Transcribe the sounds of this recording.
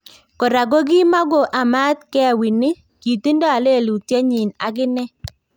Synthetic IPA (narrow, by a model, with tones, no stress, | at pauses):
kɔ˨ɾa˨ɡo˦ɡɪ˦ma˦ɡo˨ʔa˨ma˦t̪̚kɛ˦˨wi˨nɪ˦ | ki˨t̪i˦ndɔ˦a˨le˦˨lu˨tje˦ɲɪ˨na̰˨ɡɪ˦nɛ˦